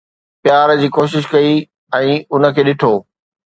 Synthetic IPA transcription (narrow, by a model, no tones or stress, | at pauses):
pjaːɾd͡ʑiːkoːʃɪʃkɐi | ɛ̃ːʊnə̆kʰeːɗɪʈʰoː